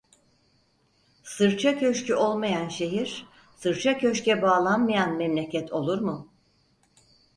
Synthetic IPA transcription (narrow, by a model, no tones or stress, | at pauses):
sɯɾt͡ʃʰacʰø̞ʃcyo̞lˠmajanʃe̞ɦiɾ̥ | sɯɾt͡ʃʰacʰø̞ʃcɛbaːlˠanmajanmɛmlʲecʰɛt̪ʰo̞lˠuɾmʊ